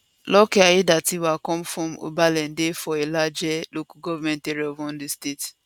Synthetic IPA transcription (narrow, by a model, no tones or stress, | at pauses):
lɔkɛaidatiwakɔ̃mfɹɔ̃mo̰balɛ̃ndefɔelad͡ʒɛlokaɡɔvamɛ̃nteɾiɔvɔ̃ndistet